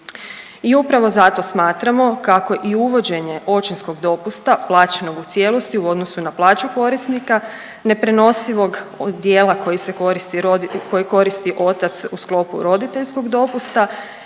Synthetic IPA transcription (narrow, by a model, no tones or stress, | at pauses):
iupɾaʋo̞zat̪o̞smaːt̪ɾamo̞kako̞ʔiuʋo̞d͡ʑe̞ɲe̞ʔo̞t͡ʃinsko̞ɡd̪o̞pust̪aplˠaːt͡ʃeno̞ɡut̪sʲje̞lo̞st̪iuo̞d̪no̞sunaplˠaːt͡ɕuko̞ɾist̪nika | ne̞pɾe̞no̞siʋo̞ɡd̪jeːlˠako̞jise̞oɾist̪iko̞jiko̞ɾist̪iʔo̞t̪at̪susklˠo̞pṵɾo̞d̪it̪e̞ʎsko̞ɡd̪o̞pust̪a